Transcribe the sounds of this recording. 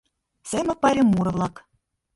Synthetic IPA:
sʲemɘ̆pɑɾʲɤ̆mːuɾɤ̆vlˠɑk

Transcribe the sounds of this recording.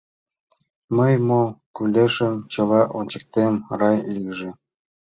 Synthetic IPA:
məjmokylʲeʃə̆mt͡ɕɤ̆lɑʔonʲt͡ɕə̆k̚t̪emrɑjliʒĕ

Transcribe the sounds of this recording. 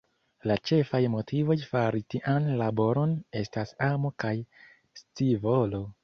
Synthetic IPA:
lat͡ʃe̞fajmo̞tivo̞jfaɾitiʔanlabo̞ɾo̞ne̞stasamokaj | st͡sivo̞lo̞

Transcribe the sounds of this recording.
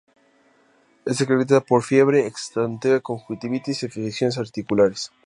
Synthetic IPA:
esekɾeβit̪̬aðapoɾfjeβɾeːkst̪ant̪eekoŋxwit̪iβit̪isefisisjonesaɾt̪ikulaɾes

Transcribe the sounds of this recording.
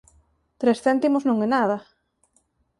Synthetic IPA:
t̪ɾesθɛnt̪imoznõŋenað̞ɐ

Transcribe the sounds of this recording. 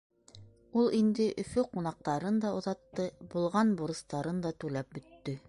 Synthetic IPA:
ulˠind̪ɘʔɵ̆fɵqunɑq̚t̪ɑɾɤnd̪ɑŏðɑt̪ːɤbulˠʁɑnbuɾɤ̆st̪ɑɾɤnd̪ɑt̪ʉlæp̚bɵ̆t̪ːɵ

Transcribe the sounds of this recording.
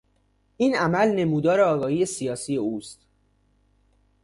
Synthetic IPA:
ʔiːnʔæmælne̞muːd̪ɒːɾeɒːɡɒːhiːjesijɒːsije̞uːst̪

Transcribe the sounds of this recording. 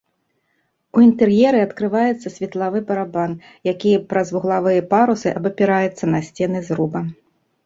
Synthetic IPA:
uint̪ɛrjɛɾɨɐt̪kɾɨvajɛt̪sːɐsʲvʲit̪lˠavɨbɐɾaban | jakʲijɐpɾɐzvuɣlˠavɨjɐpaɾusɨʔɐbɐpʲiɾajɛt̪sːɐnɐsʲt͡sʲɛnɨzɾubɐ

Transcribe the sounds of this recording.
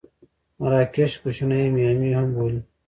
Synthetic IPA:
mɐɾaːkeɕkuɕunɐimiɐmihɐmboːli

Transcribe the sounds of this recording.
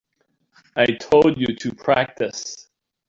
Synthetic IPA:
aɪtʰoʊlˠd͡ʒɨɾʰɨpʰɹ̥æk̚tɨs

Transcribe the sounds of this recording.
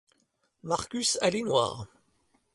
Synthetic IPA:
maʁkʲysalenwa̰ːʁ

